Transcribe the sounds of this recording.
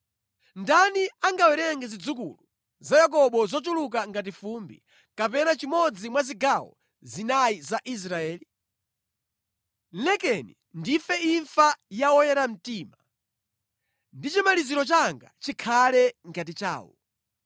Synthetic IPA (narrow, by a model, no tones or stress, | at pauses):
ndaniaŋɡawɛɾɛŋɡɛzid͡zukṵlu | zajak̬ɔɓɔzɔt͡ʃuluk̬aŋɡat̬ifumbḭ | kapɛnat͡ʃimɔd͡zimwaziɡawɔ̰ | zinajizaʔis̬ɾaɛːli | lɛkɛnḭ | ndifɛiɱfajawɔjɛɾam̩tiːma | ndit͡ʃimaliziɾɔt͡ʃaŋɡa̰t͡ʃikʰalɛŋɡat̬it͡ʃa̰ːwɔ̰